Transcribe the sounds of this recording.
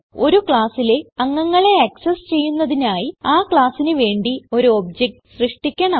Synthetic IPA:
o̞ɾukɭaːsileɐŋːɐŋːɐɭe̞ɐksɐst͡ɕe̞jːunːɐðinaːjiaːkɭaːsinɨʋe̞ːɳɖio̞ɾuobd͡ʑek̚ʈɨ̥ɕrɨʂʈikʲːɐɳɐ

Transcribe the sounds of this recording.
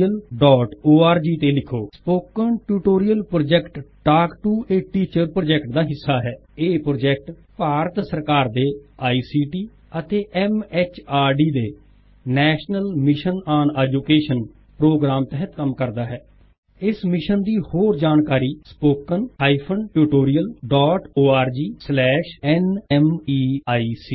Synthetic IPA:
əlɖɔːʈoːaːɾd͡ʒiːt̪eːlɪkʰoːspoːkənʈuːʈoːɾijəlpɾoːd͡ʒɛːkʈɖaːkʈuːeːʈiːt͡ʃəɾpɾoːd͡ʒɛːkʈ̚d̪aːɦɪsːaːɦɛː | eːpɾoːd͡ʒɛːk̚ʈpaːɾət̪səɾkaːɾd̪eːaːiːsiːʈiː | ət̪eːʔɛːmɛːt͡ʃaːɾɖiːd̪eː | nɛːʃnəlmɪʃənaːnɛːd͡ʒuːkeːʃən | pɾoːɡɾaːmt̪ɛɦət̪kəmkəɾd̪aːɦɛː | ɪsmɪʃənd̪iːhoːɾd͡ʒaːnkaːɾiːspoːkənaːipʰənʈuːʈoːɾijəlɖɔːʈoːaːɾd͡ʒiːslɛːʃɛːnɛːmiːaːiːsiː

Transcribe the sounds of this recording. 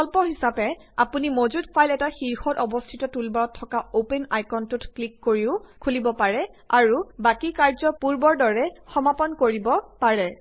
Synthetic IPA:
ɔlpɔɦisapɛ | apunimozutpʰajlɛtaxiɹxɔtɔbɔstʰitɔtulbaɹɔtʰːɔkaopenajkɔntutklikːoɹiʊkʰulibɔpaɹɛaɹubakikaɹzɔpuɹbɔɹdɔɹɛxɔmapɔnkoɹibɔpaɹɛ

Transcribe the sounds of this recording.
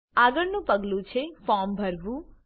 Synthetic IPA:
aɡəɾnũpəɡlũt͡ʃʰefɔmbʱəɾʋũ

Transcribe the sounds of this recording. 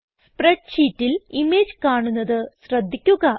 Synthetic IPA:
spreɖɕiːtːilimeːd͡ʑkaːɳunːɐðɨɕrɐd̪ʱːikʲːuɣɐ

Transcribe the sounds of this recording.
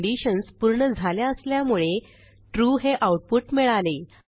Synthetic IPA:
ɖiɕənspuɾɳəd͡zʱaljaəsljamuɭe | ʈɾuɦeʔawʈ̚puʈmiɭale

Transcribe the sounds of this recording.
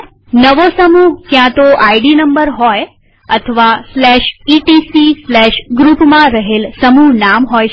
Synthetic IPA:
nəʋosəmuɦkjãt̪oʔaiɖinəmbəɾɦɔj | ət̪ʰəʋaslɛʃiʈisislɛʃɡɾupmãɾəɦelsəmuɦnamɦɔj

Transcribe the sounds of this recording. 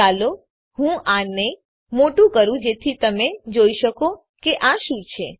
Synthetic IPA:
alo | ɦũane | moʈũkəɾũd͡ʒet̪ʰit̪əmed͡ʒoiʃəko | keʔaʃũt͡ʃʰe

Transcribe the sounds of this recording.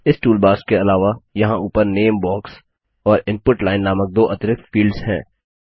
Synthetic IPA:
ɪsʈuːlbaːskeɐlaːʋajɐɦãuːpəɾneːmbɔːks | ɔːɾɪ̃npʊʈlaːɪnːaːmək̚d̪oːʔɐt̪ɾɪkfiːlɖzɦɛ̰̃ː

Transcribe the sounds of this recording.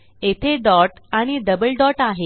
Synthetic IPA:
et̪ʰedɔʈaɽ̃id̪əbəlɖɔʈaɦe

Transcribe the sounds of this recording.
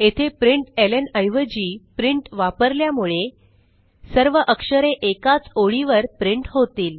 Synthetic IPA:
et̪ʰepɾiɳʈelənəjʋəd͡ʑiːpɾiɳʈʋapəɾljamuɭe | səɾʋəʔəkʂəɾeʔekat͡soɭiʋəɾpɾiɳʈɦot̪iːl

